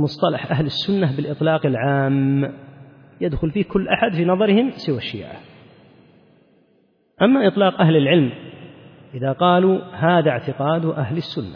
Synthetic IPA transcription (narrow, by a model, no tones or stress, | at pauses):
mʊsˤt̪ˤɑlɑħʔaɦlasːʊnːabɪlʔɨt̪ˤlɑːqɪlʕaːm | jad̪xʊlfiːhkʊlːʔaħad̪fiːnɑðˤɑɾɪhɪmsɪwaʃːḭːʕa̰ | ʔamːaʔɨt̪ˤlɑːqʔaɦlɪlʕɪlm | ʔɪðaqɑːluhaːðaʕt̪ɪqɑːd̪ʔaɦlɪsːʊnːa̰